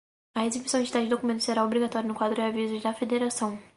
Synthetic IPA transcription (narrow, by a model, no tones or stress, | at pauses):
ɐezebisɐ̃t͡ʃit̪ad͡ʒɪd̪okumẽnt̪ʊseɾaobɾiɡat̪ɔɾjʊnʊkwad̪ɾʊd͡ʒavizʊzd̪ɐfed̪eɾasɐ̃w̃